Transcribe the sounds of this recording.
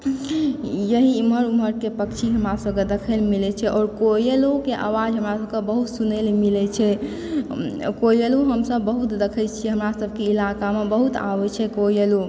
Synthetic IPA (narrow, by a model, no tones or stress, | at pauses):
jəɦiːməɾuməɾkepəkt͡ʃʰiɦəmɾasəbked̪ekʰəlmilɛt͡ʃʰɛʔɔːɾkojelokeʔa̰wad͡ʒɦəmɾasəbkebəɦut̪sunelmilɛt͡ʃʰɛ | kojeloɦəmsəbːəɦut̪d̪ekʰət͡ʃʰiɛɦəmɾasəbʱkeilakamebəɦut̪a̰bɛt͡ʃʰɛkojelo